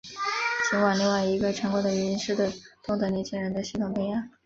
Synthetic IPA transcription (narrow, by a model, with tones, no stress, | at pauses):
t͡ɕʰi˧˥ŋwa˨˩li˥˧ŋwa˨˩ɪi˧˥ɡə˧ʈ͡ʂʰa˧˥ŋkwɔ˧˥d̪ə˧˨ɥɛ˧˥i˧˥nʂɻ̩˥˩t̪we˥˩t̪ʊ˥˩ŋt̪ɤ˧˥nɛ˧˥nt͡ɕʰi˥ŋɻə˧˥nd̪ə˧ɕi˧˥˩t̪ʰʊ˨˩ŋp̪jŋja˥˩˦